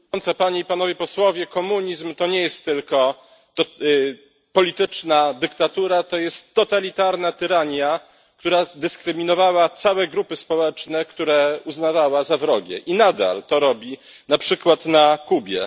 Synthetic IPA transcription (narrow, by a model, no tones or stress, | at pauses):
nt̪sapaɲeipanɔvʲjɛpɔswɔvʲjɛkɔmuɲizmt̪ɔɲɛjɛst̪ːɘlkɔ | t̪ɔ | pɔlʲit̪ɘt͡ʂnad̪ɘkt̪at̪uɾat̪ɔjɛst̪ːɔt̪alʲit̪aɾnat̪ɘɾaɲja | kt̪uɾad̪ɘskɾɘmʲinɔvawat̪sawɛɡɾupɘspɔwɛt͡ʂnɛkt̪uɾɛuznavawazavɾɔɡʲɛ̰ʔinad̪a̰lt̪ɔɾɔbʲinapʂɘkwat̪nakubʲjɛ̰